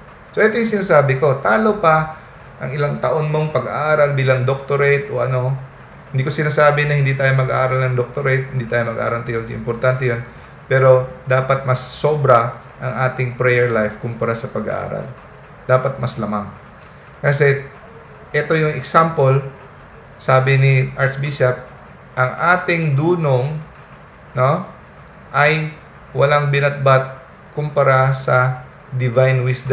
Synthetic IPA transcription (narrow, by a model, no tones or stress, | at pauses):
soʔɛt̪ojʊŋsɪnaːsaːbɪko̞t̪aːlo̞pɐ | ʔɐŋɪlaŋt̪ɐʔo̞nmo̞ŋpɐɡɐ̰ʔaːɾɐlbiːlɐŋd̪ok̚t̪oɾɛjt̪ʔo̞ʔɐno̞ | hɪnd̪iːko̞sɪnaːsaːbɪnɐhɪnd̪iːt̪aːjomɐɡɐ̰ʔaːɾɐlnɐŋd̪ok̚t̪oɾɛjt̪̚hɪnd̪iːt̪aːjomɐɡʔa̰ːɾɐlt̪ɐjoʔɪ̰mpoɾt̪ant̪ɛjon | pɛːɾo̞d̪aːpɐt̪̚mɐsːo̞ːbɾɐ | ʔɐŋʔaːt̪ɪŋpɾɛjɛɹlajfkʊmpɐɾasɐpɐɡɐ̰ʔa̰ːɾɐ̰l | d̪̥aːpɐt̪̚mɐslɐmaŋ | kɐsɛ | ʔɛt̪o̞jʊŋɛksampol | saːbɪnɪʔɐt͡ʃbisɐt̚ | ʔɐŋʔaːt̪ɪŋd̪uːnoŋ | no̞ | ʔɐj | wɐlaŋbɪnɐt̪̚bat̪̚ | kʊmpɐɾasɐ | d̪ɪvajnwɪsd̪